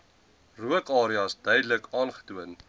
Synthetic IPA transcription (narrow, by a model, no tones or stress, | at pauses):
ruəkɑːɾiɑsdœjdələkɑːnχə̥tuən